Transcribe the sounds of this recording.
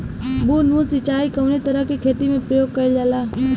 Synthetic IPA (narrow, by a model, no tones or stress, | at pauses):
buːnmũsɪt͡ʃaːikəʋnit̪əɾəkikʰeːt̪imẽpɾəjoːɡ̚kəid͡ʒalaː